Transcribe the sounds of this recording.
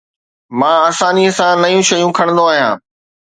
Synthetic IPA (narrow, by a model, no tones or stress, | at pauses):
mãːsãːniəsãnɐjũʃɐjũkʰɐɽ̃nd̪oaːɦijãː